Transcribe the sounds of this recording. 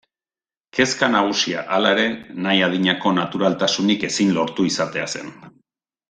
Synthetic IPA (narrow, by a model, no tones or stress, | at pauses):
ke̞skanaɣ̞usia̰ʔalae̞ɾe̞najaðiɲako̞nat̪uɾalt̪asunike̞sinlo̞ɾt̪uisat̪e̞ase̞̰n